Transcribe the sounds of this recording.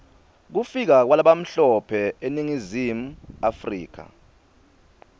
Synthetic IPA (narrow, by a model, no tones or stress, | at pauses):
k̬ufik̬ak̬walaɓam̩ɬɔpʰɛeniŋizimuafrḭːk̬ʰa̰